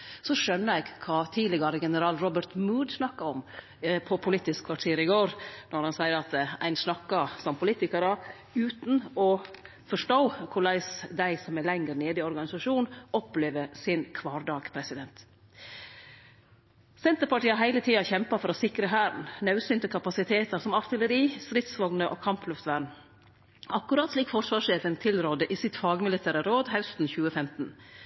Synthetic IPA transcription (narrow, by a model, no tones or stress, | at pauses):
sɔʂœnːəɾɛɡkʰɑːt̪ʰiːd̪lɪɡɑɾəɡɛnəɾɑːlɾɔbəɾt̪muːd̪snɑkːɑɔm | pʰɔpʰʊlit̪ɪskkʰʋɑʈʰeːɾɪɡoːɾnɔɾhɑnsæɪəɾɑt̪æ̰ɪnsnɑkːɑsɔmpʰʊliːt̪ɪkɑɾɑ | ʉːt̪nɔ | fɔʂʈoːkʰʊɭæɪsd̪æɪsɔmælɛŋəɾneːd̪ɪɔɾɡɑnɪsɑʂuːnɔpleːʋəsɪnkʰʋɑːɾɖɑːɡ̥pʰɾɛsɪd̪ɛnt̪ | sɛnt̪əɾpɑʈiːɑɦæɪlət̪ʰiːɑçɛmpɑfɔɾɔsɪkɾəɦæːɾn̩nɑʉsʏnt̪əkʰɑpɑsɪt̪ʰeːt̪əɾsɔmɑɾt̪ɪləɾiːst̪ɾɪt̪sʋɔŋnəʔo̰ːkʰɑmpʰlʉft̪ʋæːɳ̩ | ɑkːʉɾɑt̪sliːkfɔʂʋɑːʂeːfənt̪ʰɪlɾoːd̪əʔisɪt̪fɑːɡmɪlɪt̪ʰæːɾəɾoːd̪hɛlft̪n̩çʉːəfɛmt̪n̩